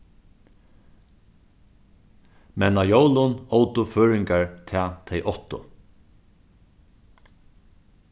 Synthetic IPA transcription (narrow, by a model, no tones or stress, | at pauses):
mɛnajowlʊnɔwt̪ʊføːɹɪŋkaɹt̪ʰɛːt̪ʰɛjʔɔht̪ʊ̰